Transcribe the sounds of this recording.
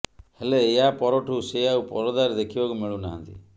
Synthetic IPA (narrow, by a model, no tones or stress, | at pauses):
heleːɦapɔɾɔʈʰuseaupɔɾɔd̪aɾd̪ekʰibɔkumeɭuna̰ɦã̰nt̪ḭ